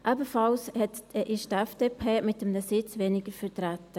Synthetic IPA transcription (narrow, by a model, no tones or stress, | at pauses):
ʔabəfɑlshɛtɛʔɪʃtɛfd̥eːpʰeːmɪtəmnəsɪt͡sveːnɪɡ̥əɾfətɾætə